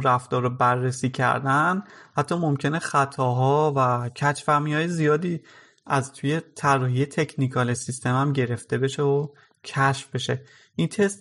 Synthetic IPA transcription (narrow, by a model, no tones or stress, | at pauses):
ɾæft̪ɒːɾobærːesiːcʰæ̰ɾd̪ænhæt̪ʰːɒːmomcʰe̞neχæt̪ʰɒːɦɒːvæcʰæt͡ʃfæɾmiɒːjezijɒːd̪iː | æzt̪ʰuje̞t̪ʰærːɒːɦije̞t̪ʰe̞cʰnikʰɒːlesist̪e̞mæmɟe̞ɾe̞ft̪e̞be̞ʃeo | cʰæʃfbe̞ʃe̞ | ʔint̪ʰe̞st̪